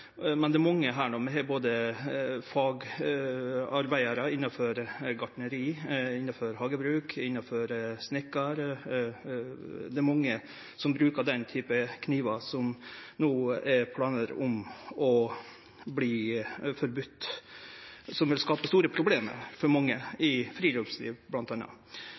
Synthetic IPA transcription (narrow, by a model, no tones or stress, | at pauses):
mɛnd̪ɛæɾmɔŋːəɦæːɳuːmɛɦɛboːd̪ə | fɑːɡ | ɑɾbæɪəɾəɪnːɑfɔɾɡɑʈɳəɾiːɪnːɑfɔɾɦɑːɡəbɾʉːkʰɪnːɑfɔɾsnɪkːɑɾ | d̪ɛɾmɔŋːə | sɔmbɾʉːkəd̪ɛnt̪ʰyːpəkʰniːʋɑsɔmnuːɛɾpʰlɑːnəɾɔmɔ | bliːfɔɾbʉt̪ː | sɔmʋɪlskɑːpəst̪uːɾəpʰɾʊbleːmə̰ɾfɔɾmɑŋːəɪfɾiːlobslḭːʋblɑnt̪ɑnɑ̰